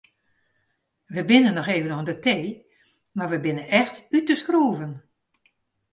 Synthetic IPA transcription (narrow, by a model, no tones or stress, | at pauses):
ʋəbɪnənːɔxeːvənoəndəteː | marʋəbɪnənɛxtytəskruːvən